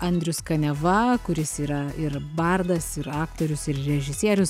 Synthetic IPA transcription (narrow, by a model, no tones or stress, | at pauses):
ɐnʲd̪ʲɾʲʊskɐnʲɛʋɐkʊɾʲɪsiːɾɐɪɾbɐrd̪ɐsɪɾɑːkt̪oːɾʲʊsɪɾɾʲɛʒʲɪsʲiɛɾʲʊs